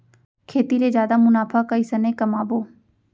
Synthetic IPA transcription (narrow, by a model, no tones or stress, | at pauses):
kʰeːt̪iɾeːd͡ʒjaːd̪aːmʊnaːpʰaːkəisəneːkəmaːboː